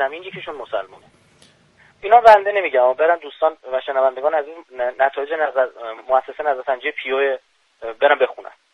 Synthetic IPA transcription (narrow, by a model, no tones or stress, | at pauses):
æmiːnjecʰeʃunmosælmṵːne | inɒːmbænd̪ene̞miɟæmɒːbe̞ɾænd̪uːst̪ɒːnvæʃenævænd̪e̞ɡɒːnæzuːznæt̪ʰɒːjed͡ʒenæzæmoæsːesenæzæɾsænd͡ʒijepʰijoe | beɾæmbe̞xunæ̰n